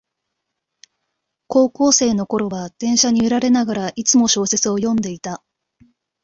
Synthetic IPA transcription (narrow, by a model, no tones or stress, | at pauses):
ko̞ːko̞ːse̞ːno̞ko̞ɾo̞βad̪̥ẽ̞ɰ̃ɕaɲ̟iɯɾaɾe̞naɡaɾaʔit͡sɨmo̞ɕo̞ːse̞t͡sɨo̞jõ̞nd̪e̞it̪a